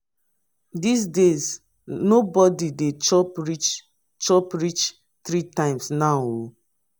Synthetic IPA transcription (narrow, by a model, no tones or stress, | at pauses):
dis̬dez | nobɔdidet͡ʃɔpɹit͡ʃ | t͡ʃɔpɹit͡ʃ | tɾitãɪ̃msnao